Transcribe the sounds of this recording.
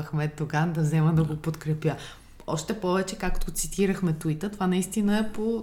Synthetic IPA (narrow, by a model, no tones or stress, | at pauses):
ɐxmɛt̪oɡand̪ɐzɛməd̪ɐɡopot̪kɾɛpjə | ɔʃt̪ɛpɔvɛt͡ʃɛkakt̪ot̪sit̪iɾəxmɛt̪uit̪ət̪ovanɐist̪inəɛpo